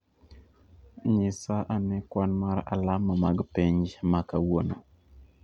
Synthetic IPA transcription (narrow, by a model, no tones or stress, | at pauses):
ɲisaʔanɛkwanmaɾa̰lamamaɡpeɲd͡ʒmakawono